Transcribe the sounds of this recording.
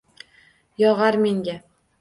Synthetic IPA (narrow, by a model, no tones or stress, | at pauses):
jɒʁaɾme̞ŋɡʲa